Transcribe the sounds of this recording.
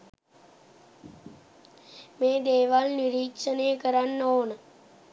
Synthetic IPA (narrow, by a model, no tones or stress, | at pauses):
mẽːd̪eːʋalniɾiːkʂəneːkəɾanːoːnə